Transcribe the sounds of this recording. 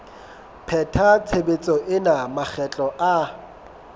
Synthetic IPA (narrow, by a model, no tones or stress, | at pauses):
pʰɛtʰat͡sʰebet͡sʼɔʔɪnamak͡xɛt͡ɬʼɔʔa